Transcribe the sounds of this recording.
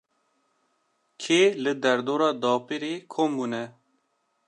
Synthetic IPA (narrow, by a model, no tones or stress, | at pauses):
kʰeːlɨd̪ɛɾd̪oːɾɑːd̪ɑːpiɾeːkʰoːmbuːnɛ